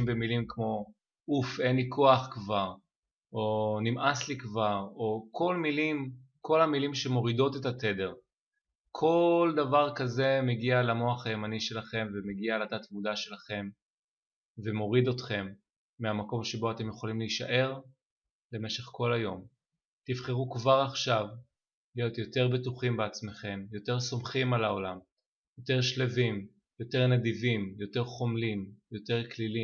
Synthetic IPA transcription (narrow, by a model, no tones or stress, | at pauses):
mbe̞milimkmo̞ | ufʔe̞nlikʰo̞aχkvaʁ | ʔonimʔaslikvaʁo̞kʰo̞lmilim | kʰo̞lamilimʃe̞mo̞ʁido̞tetat̪e̞de̞ʁ | kʰo̞ldavaʁkaze̞meɡialamo̞aχaemaniʃe̞laχe̞mvemeɡialat̪atmudaʃe̞laχe̞m | ve̞mo̞ʁid̪o̞tχe̞mː | eamako̞mʃe̞bo̞ate̞mjeχolimliʃa̰ʔe̞ʁ | le̞me̞ʃe̞χko̞lajo̞m | tivχe̞ʁukvaʁaχʃav | lijo̞t̪jo̞te̞ʁbetuχimbe̞at͡sme̞χe̞mjo̞te̞ʁso̞mχimalao̞lam | jo̞te̞ʁʃlevim | jo̞te̞ʁned̪ivimjo̞te̞ʁχo̞mlimjo̞te̞ʁklili